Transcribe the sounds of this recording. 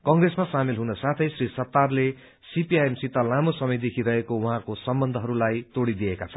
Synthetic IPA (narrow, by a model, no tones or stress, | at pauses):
kʌŋɡresmasamilɦunʌsat̪ʰʌjsrisʌt̪ːarle | sipiajemsit̪alamosʌmʌjd̪ekʰiɾʌɦekowuɦãkosʌmbʌnd̪ʱʌɦʌɾulajt̪oɽid̪ijekat͡sʰʌn